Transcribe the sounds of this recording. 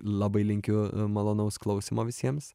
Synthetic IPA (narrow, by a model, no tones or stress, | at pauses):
lˠɐbɐɪlʲɪŋʲkʲʊmɐlˠoːnɐʊsklˠɐʊsʲɪmoːʋʲɪsʲiɛms